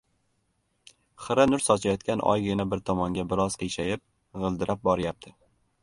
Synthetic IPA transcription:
χɨɾanʊɾsɒt͡ʃʰajɒt̪̚kʲanʔɒ̰jɡʲɪnabɪɾt̪ʰɒmɒŋɡʲabɪɾɒz̥qʰɨjʃajɪp̚ | ʁɨlˠd̪ɪɾʔap̚bɒɾɪjap̚t̪ʰɪ

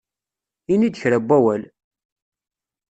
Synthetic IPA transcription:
inid̪əçɾæbːæwæl

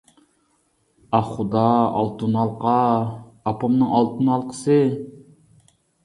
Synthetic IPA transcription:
ɑχχud̪ɑɑ̰lˠt̪unɑlˠqʰɑɑpʰɑmnɨŋɑlˠt̪ʰunɑlˠqʰə̥sɨ

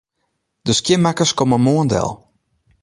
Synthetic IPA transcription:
d̥əskjɪnmakəskɔməmoəndɛ̰lˠ

